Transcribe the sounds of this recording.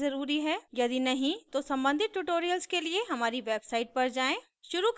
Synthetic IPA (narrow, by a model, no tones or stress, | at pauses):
zɐɾuːɾiɦɛːjɐd̪inɐɦĩt̪osɐ̃mbə̃nd̪ʱɪt̪̚ʈuʈoːɾijəlskelieɦɐmaːɾiʋeːbsaːɪʈ̚pɐɾd͡ʒaːẽː | ʃʊɾuk